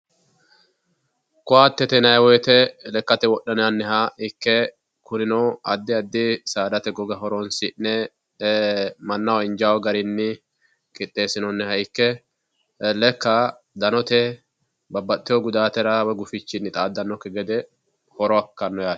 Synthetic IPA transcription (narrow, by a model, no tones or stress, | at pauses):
kʊaːt̪ːɛt̪ɛnɐjwɔɛt̪ɛlɛkːɐt̪ɛwɔɗːɐnɐnːɛɦɐɪkːɛ | kʊnɪnɔɐd̪ːɪɐd̪ːɪsaːd̪ɐt̪ɛɡɔɡɐhɔɾɔnsɪnːɛ | mɐnːɐwɐɪnd͡ʒawɔɡɐɾɪnːɪ | kʼɪt̪ʼːe̞ːsɪnɔnːɛhɐɪkːɛ | lɛkːɐ | d̪ɐnɔt̪ɛ | bɐbːɐt̪ːɪjɔɡʊd̪aːt̪ɛɾɐwɛɡʊfɪt͡ʃːɪnːɪt̪ʼaːd̪ːɐnːɔkːɛɡɛd̪ɛ | hɔɾɔɐkːɐnːɔjaː